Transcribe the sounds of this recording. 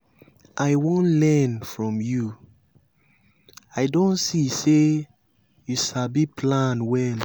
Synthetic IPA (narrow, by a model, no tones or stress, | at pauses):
ʔaɪwõnlɛ̃nfɹɔ̃mju | aɪdõntsise | juʃabipʰlãnwɛl